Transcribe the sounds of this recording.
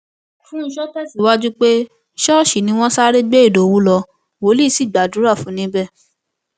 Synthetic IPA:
fũ˦˧ʃɔ˦tɛ˦˨si˨wa˦d͡ʒu˦k͡pe˦ | ʃɔ˦˨ʃi˨nĩ˧˦w̃ɔ̃˦sa˦ɾe˦ɡ͡be˦i˦˨do˨wu˨˦lɔ˧ | wo˨˦li˦˨˦si˦˨ɡ͡ba˨du˨˦ɾa˦˨fũ˨˦nĩ˧˦bɛ˦˨

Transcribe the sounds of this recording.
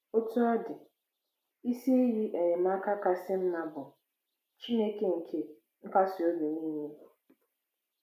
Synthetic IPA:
o˦tu˦ɔ˦dɪ˨ | i˦si˦ji˦ʔe˨ɲe˨m̩˦a˦ka˦ka˦sɪ˦m̩˦na˦bʊ˨ | t͡ʃi˦ne˦ke˨ŋ̩˨kʰe˦ | ŋ̩˦ka˦sɪ˨o˦do˨niː˦ɲe˦˨

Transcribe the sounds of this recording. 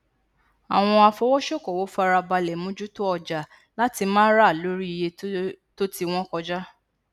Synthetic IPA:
a˨w̃ɔ̃˧a˧fɔ˧˦wɔ˦ʃɔ˦˨kɔ˨wo˨˦fa˦˧ɾa˧ba˧lɛ˨˦mũ˨˦d͡ʒu˦to˦ɔ˧˨d͡ʒa˨ | la˦ti˧mã˦ɾa˦˨lo˦ɾi˦i˧˨je˧to˦ti˦w̃ɔ̃˦kɔ˧d͡ʒa˦

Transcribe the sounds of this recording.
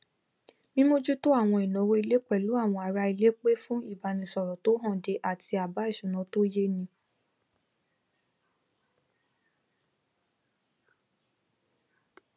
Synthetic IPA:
mĩ˦mo˦d͡ʒu˦to˦a˦˨w̃ɔ̃˧i˨nɔ̃˨˦wo˧i˧le˦k͡pɛ˦˨lu˨˦a˦˨w̃ɔ̃˧a˨ɾa˧i˧le˦k͡pe˦fũ˦i˦˨ba˧nĩ˧sɔ˨ɾɔ˨to˨˦ɦɔ̃˦˨de˧ʔa˨ti˧a˨ba˨˦i˦˨ʃũ˨nã˨˧to˦je˦nĩ˧˦

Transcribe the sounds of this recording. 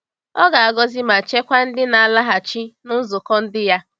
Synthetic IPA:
ɔ˦ɡa˨a˨ɡɔ˦zi˦ma˨t͡ʃe˦kʷa˦n̩˦dɪ˦na˨a˨la˦ɦa˨t͡ʃi˦nʊ˦zʊ˨kɔ˦n̩˦dɪ˦ja˦

